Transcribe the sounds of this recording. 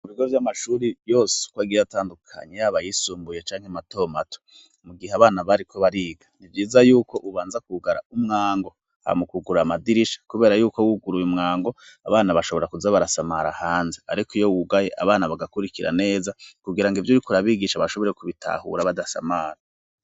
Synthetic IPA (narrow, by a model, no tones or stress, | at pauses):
muβiɡo̞vjamaʃuɾijo̞ːse̥kwaːɡiataːndukʰa̰ɲejaβajisuːmbujet͡ʃaːŋhemato̞ːmatʰo̥ | muɡiɦeaβaːnaβaɾikʰo̞βaɾiːɡḁnivjiːzajuːko̞ʔuβaːnzakuɡaɾa̰umŋaːŋɡo̞ | ha̰mukuɡuɾamadiɾiʃḁkuβe̞ːɾajuːko̞wuɡuɾujumŋaːŋɡo̞ | aβaːnaβaʃoβoeɾakuzaβaɾasamaɾahaːnzea̰ɾikijo̞wuɡaje̞ʔa̰βaːnaβaɡakuɾikiɾa̰ne̞ːzakuɡiɾaŋɡivjuɾikuɾaβiːɡiʃaβaʃo̞βo̞ɾekuβitʰa̰hṵɾaβadasa̰maːɾa